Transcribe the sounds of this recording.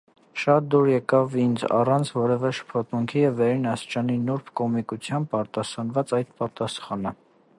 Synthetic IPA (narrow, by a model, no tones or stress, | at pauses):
ʃɑt̪̚d̪uɾjɛkɑvind͡zɑ̰rɑnt͡sʰvɔɾɛvɛʃə̥pʰɔt̪muŋkʰijɛvːɛɾinɑst͡ʃɑninuɾpʰkɔmikut͡sʰjɑm̚pɑɾt̪ɑsɑnvɑt͡sɑjd̪pɑt̪ɑsχɑnə